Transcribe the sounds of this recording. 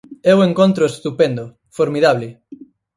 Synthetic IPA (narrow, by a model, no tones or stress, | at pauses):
ɛweŋkont̪ɾoest̪upẽnd̪o | foɾmiðaβlɪ